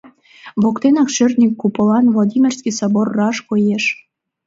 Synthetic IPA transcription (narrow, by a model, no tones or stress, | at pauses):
βokt̪enɑkʃørnʲikːupɤ̆lɑnvlˠod̪ʲimʲerskisɑborːɑʃkojeʃ